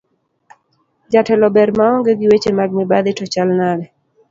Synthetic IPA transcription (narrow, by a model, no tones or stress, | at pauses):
d͡ʒatɛlɔbɛɾmaɔŋɡeɡɪwet͡ʃemaɡ̚nɪbad̪ɪtɔt͡ʃalnalɛ